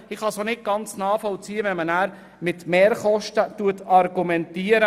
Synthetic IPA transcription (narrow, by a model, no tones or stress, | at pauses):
ɪχhɑsonɪt̚ɡ̥ɑnt͡snɑːfɔlt͡siːəʋɛnmənæːɾ | mɪt̪meːɾχɔʃtətuətɑɾɡumɛntiːəɾə